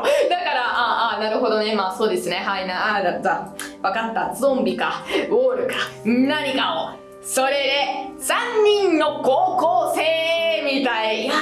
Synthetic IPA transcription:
d̪akaɾaʔaːanaɾɯ̟ɦo̞d̪o̞ne̞maːso̞ːd̪e̞sɨne̞ɦainaad̪azaːβakat̪ːazõmbʲikaoːɾɯ̟kḁnaɲ̟ikao | so̞ɾe̞d̪e̞sãɲ̟ːĩnːo̞koːkoːse̞ːmʲit̪ai

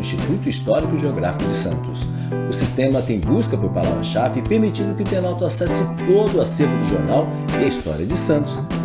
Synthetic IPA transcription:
ĩst͡ʃit̪ut̪ʊist̪ɔɾikʊʒeoɡɾa̰fikʊd͡ʒɪsɐ̰̃nt̪ʊ̥s | ʊsist̪ẽmɐt̪ẽj̃buskɐpʊɾpala̰vɾɐʃafɪpeɾmit͡ʃĩd̪ʊkɪʊt̪ẽnawt̪ʊasɛsɪt̪od̪ʊaseɾvʊd̪ʊʒoɾnaw | ɪɐist̪ɔ̰ɾiɐd͡ʒɪsɐ̃nt̪ʊ̥s

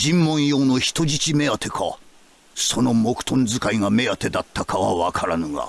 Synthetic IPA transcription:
d͡ʑĩmːõ̞ɰ̃jo̞ːno̞çi̥t̪o̞ʑit͡ɕime̞at̪ʰe̞kʰa̰ | so̞no̞mo̞kɯ̟̥t̪ʰõnd͡zɨkaiŋame̞at̪e̞d̪at̪ʰːakaβa̰βakʰaɾanoɡa̰

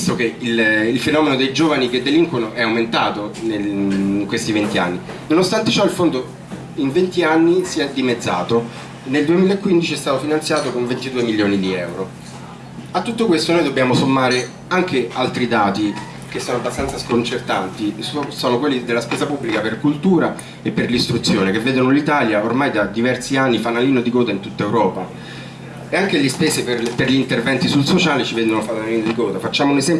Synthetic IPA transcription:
st̪okeililfenɔːmenod̪ejd͡ʒoːvanik̟ed̪ːeliŋkwenoʔɛawment̪aːt̪onekwest̪ivent̪ia̰nːi | nonost̪ant̪et͡ʃɔilfond̪o | iɱvent̪ianːisiɛd̪imed̪zːa̰ːt̪o | neld̪uemilaekːwind̪it͡ʃiɛst̪aːt̪ofinant̪sjaːt̪okoɱvent̪id̪uːemilːjoːnid̪iɛ̰wɾo | at̪ːut̪ːokwest̪onoːjd̪obːjaːmosomːaːɾe | aŋkealt̪ɾid̪aːt̪i | k̟esːɔːnoabːast̪ansaskont͡ʃert̪ant̪issoːnokwelːid̪elːaspɛːzapubːlikaperkult̪uːɾa | epːerlist̪ɾut̪sːjoːnekevːeːd̪onolit̪aːljaormajd̪ad̪ivɛrsianːifanaliːnod̪ikɔːd̪aint̪ut̪ːaewɾɔːpa | eaŋkeʎispeːseperperʎiːnt̪ervɛnt̪isulsot͡ʃaːlit͡ʃivɛnd̪onofanaliːnod̪ikɔːd̪afat͡ʃːaːmounezɛm

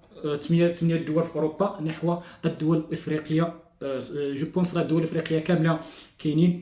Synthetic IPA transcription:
t̪mjt̪əmnjæd̪ːʊwælfiʔoɾobːɑnəħwaəd̪ːʊwæləfɾiqəjːa | ʒəbunsˤɾˤɑd̪ːʊwælʔəfɾiqəjːakæmlakænin

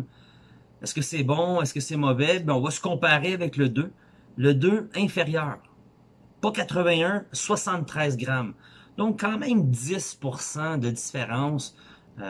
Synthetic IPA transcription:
ɛskəsɛbɔ̃ɛskəsɛmɔvɛbɛɔ̃vasə̥kɔ̃paʁeavɛkləd̪ø | ləd̪øɛ̃feʁjœːʁ | pɔkat̪χəvɛ̃ɜ̃swasɑ̃t̪ːχɛːzɡʁamd̪̥ɔ̃kːɑ̃ːmɛ̃md̪zɪspuʁsɑ̃d̪əd̪i̥feʁɑ̃s

